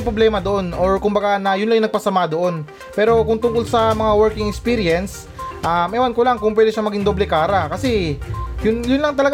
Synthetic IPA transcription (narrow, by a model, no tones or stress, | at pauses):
pɾoblɛːmɐd̪oʔo̞no̞ɹkʊmbɐɡanɐjʊnlɐŋjʊŋnɐɡ̚pɐsɐmad̪oʔo̞n | pɛːɾo̞kʊŋt̪ʊŋkolsɐmɐŋawɛɹkɪŋɛkspiɾɪɛns | ʔamɐjwankolaŋkʊŋpwɛːd̪ɛʃamɐɡiŋd̪oblɛkaːɾɐkɐsɛjʊnjʊnlɐŋt̪ɐlɐɡ